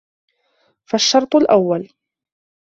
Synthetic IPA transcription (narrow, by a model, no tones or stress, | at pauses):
faʃːɑɾˤt̪ˤʊlʔawːal